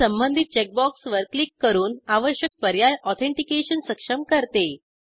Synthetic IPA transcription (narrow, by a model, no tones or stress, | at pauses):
əmbənd̪ʱit̪̚t͡ɕɛk̚bɔksʋəɾklikːəɾuːnaʋəɕjək̚pəɾjajɔt̪ʰẽɳʈikeɕənsəkʂəmkəɾt̪e